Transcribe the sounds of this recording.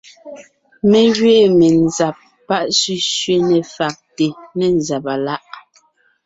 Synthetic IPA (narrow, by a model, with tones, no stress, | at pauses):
mɛ˨ɡɥe˦˨mɛ˨nza˨p̚ːa˦ʔsʉ˦ʃɥe˦nɛ˨fa˨k̚te˨nɛ˨n˨za˨pa˨la˦ʔ